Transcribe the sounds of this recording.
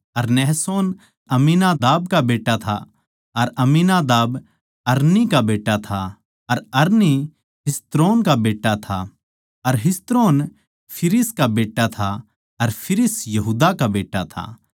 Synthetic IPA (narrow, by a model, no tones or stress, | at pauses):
ɐɾnɛɦsoːn | ɐminaːd̪aːb̚kabeːʈːat̪ʰa̰ | ɐɾɐminaːd̪aːb | ɐɾnikabeːʈːat̪ʰa | ɐɾɐɾni | ɦɪst̪ɾoːnkabeːʈːat̪ʰa | ɐɾɦɪst̪ɾoːn | pʰɪɾɪskabeːʈːat̪ʰa | ɐɾpʰɪɾɪsjɐɦuːd̪akabeːʈːat̪ʰa̰